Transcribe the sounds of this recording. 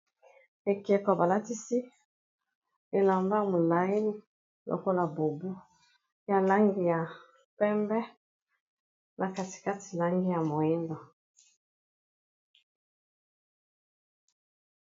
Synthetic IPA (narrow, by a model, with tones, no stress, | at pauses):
e˨kɛ˨kɔ˨ba˨la˦ti˦si˦ | e˨la˨mba˦mo˨la˨i˦ni˦ | lʔo̰˨ko˦la˨bo˨bu˦ | ja˨la˦ŋɡi˦ja˨ | pɛ˦mbɛ˦ | nʔa˨ka˨ti̥˨ka˦ti˨la˦ŋɡi˦ja˨mo˨i˦ndɔ˨